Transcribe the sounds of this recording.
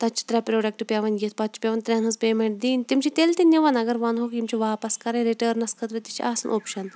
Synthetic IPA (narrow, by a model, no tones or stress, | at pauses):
t̪ɐt̪t͡ʃʰi̥t̪ɾʲɛpɾoːɖɐk̚ʈɨpʲeːʋɐnɡiet̪pɐt̪̚t͡ʃʰi̥pʲɐʋɐnt̪ɾʲɛːnɨspeːmeɳʈ̚d̪iːnt̪imt͡ʃʰit̪elt̪inʲiʋɐnɐɡɐɾʋɐnɦoːkimt͡ʃʰiʋaːpɐskɐɾɐ̃ɾiʈɐːɾnɐskʰɐt̪ɾɐt̪it͡ʃʰiʔaːsɐnʔoːpʃɐn